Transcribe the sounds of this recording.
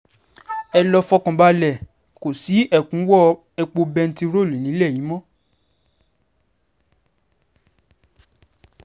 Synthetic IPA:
ɛ˧lɔ˧fɔ˧kɔ̃˨ba˧lɛ˨ | ko˨si˨˦ʔɛ˦˨kũ˨˦wɔ˦ | ɛ˧k͡po˧bɛ˧n̩˦ti˦˧ɾo˦˨lu˨nĩ˨˦lɛ˦˨ji˨˦mɔ̃˦

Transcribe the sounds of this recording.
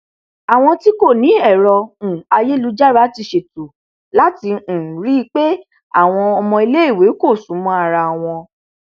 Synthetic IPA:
a˨w̃ɔ̃˧ti˦ko˦˨nĩ˨˦ɛ˦˨ɾɔ̃˧˨a˧je˦lu˨˦d͡ʒa˦ɾa˨˦ti˧ʃe˨tu˨ | la˦tĩ˧˨ɾi˦˧k͡pe˦ | a̰˦˨w̃ɔ̃˧ɔ˧mɔ̃˧i˧le˦i˦˨we˨˦ko˦˨sũ˨˦mɔ̃˧˦a˧˨ɾa˧˨w̃ɔ̃˧

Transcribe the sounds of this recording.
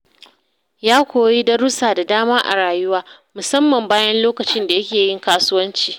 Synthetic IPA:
jaː˦kʷoː˨jiː˦dɐ˦ɾʊ˦saː˨da˨daː˦maː˦ʔa̰˨ɽaː˨jʊ˦waː˦ | mʊ˨sɐ˦mːɐ˨mbaː˦jɐ˦nloː˦kɐ˨t͡ʃɪ˦nda˨jɐ˦kʲeː˨jɪ˦ŋkaː˦sʊ˦wɐ˦nt͡ʃiː˨

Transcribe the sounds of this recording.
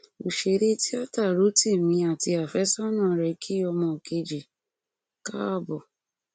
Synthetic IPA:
o˨ʃe˧˨ɾe˦ti˦a˦ta˦˨ɾu˨˦ti˦˨mĩ˨˧˦a˨ti˧a˨fɛ˨˦sɔ˦nã˨˦ɾɛ˨kʰi˦ɔ˧mɔ̃˧˨ke˧d͡ʒi˨ | ka˦a˦˨bɔ˨

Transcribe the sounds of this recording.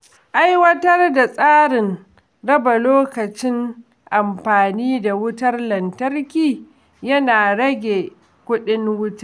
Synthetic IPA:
ʔa˦jwɐ˦tɐ˦rda˨sʼaː˦ɾɪ˨n | ɽɐ˦ba˨loː˦kɐ˨t͡ʃɪ˦ŋ | ʔa˨mɸaː˨niː˦da˨wʊ˦tɐ˦rlɐ˨ntɐ˦rkʲiː˨ | jɐ˦naː˨ɽɐ˦ɡʲeː˨ | kʷʊ˦ɗɪ˦ŋwʊ˦ta˦˨

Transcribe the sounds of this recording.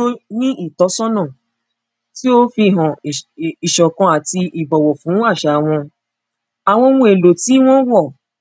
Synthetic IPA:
o˦nĩ˦ʔi˦˨tɔ˨˦sɔ˦nɔ̃˦˨ | ti˦o˦fi˧ɦɔ̃˨i˨ʃɔ˨kɔ̃˧a˨ti˧ʔi˨bɔ˨wɔ˨fũ˨˦a˦˨ʃa˨w̃ɔ̃˧ | a˨w̃ɔ̃˧wũ˧˦e˨lo˨ti˨˦w̃ɔ̃˦wɔ˦˨

